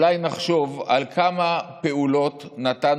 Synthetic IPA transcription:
lajnaχʃo̞valkʰamape̞ulo̞tnat̪an

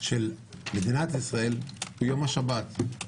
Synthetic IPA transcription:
ʃel | med̪inat̪isʁae̞lhujo̞maʃabat̪

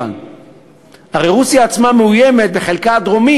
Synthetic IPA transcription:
a̰n | haʁejʁusjaːt͡smameujemet̪̚beχe̞lkaad̪ʁo̞mi

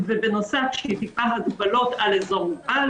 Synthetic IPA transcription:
vebenosafʃeit̪ipaɦad̪balo̞t̪alezoma

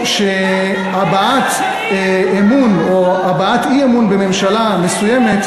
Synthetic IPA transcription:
ʃe | abaat̪ | emunoabaat̪iemunbeme̞mʃalamesujeme̞t̪

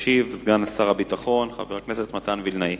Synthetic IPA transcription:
ʃivzɡanasaʁabitaχo̞nχa̰veʁakneset̪mat̪anvilnai

